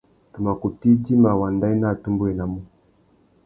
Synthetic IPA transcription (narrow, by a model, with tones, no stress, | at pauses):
tu˨ma˨ko˨ti˦d͡ʒi˦ma˨wa˨nda˦i˦na˦˨tu˦mbu˦ɛ˨na˨mu˦